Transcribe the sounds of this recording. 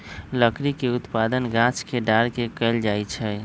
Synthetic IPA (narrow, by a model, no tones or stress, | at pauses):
ləkɾikeut̪pad̪ənɡãt͡ʃkeɖaɾkekəld͡ʒajt͡ʃʰɛ